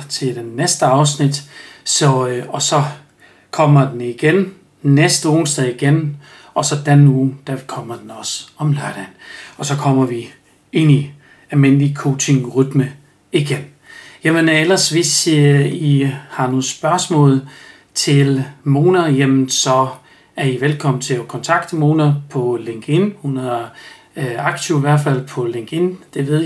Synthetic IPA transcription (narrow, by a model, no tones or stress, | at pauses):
t͡sʰe̝ld̥enːesd̥əɑ̈ʊsnid̥sɒ̽ɒ̽sɒ̽ | kʰɒ̽m̰ɐd̥eniɡ̥en | nesd̥əoːsd̥ɛiɡ̥en | ɒ̽sɒ̽d̥enuːd̥ækʰɒ̽m̰ɐd̥enɒ̽sɒ̽mlæɐɾ̥ænɒ̽sɒ̽kʰɒ̽m̰ɐʋi | e̝ni | ælmen̰likʰo̝t͡sʰe̝ŋʁyd̥mə | iɡ̥en | jemənelɐsʋe̝sihɑ̈no̝ːsb̥ɶɐsmɔ̰̽ːlˠ | t͡sʰe̝lmo̝ːnɐjemn̩sɒ̽ | æɐiʋelkʰɒ̽m̰n̩t͡sʰe̝ɒkʰɒ̽nt͡sʰɑ̈ɡ̥̚d̥emo̝ːnɐpʰɒ̽le̝ŋɡ̥e̝nhunæɐ | ɑ̈ɡ̥t͡sʰiʊiʋæɐ̰d̥fæl̰pʰɒ̽le̝ŋɡ̥e̝nd̥e̝ʋe̝ð̰ˠ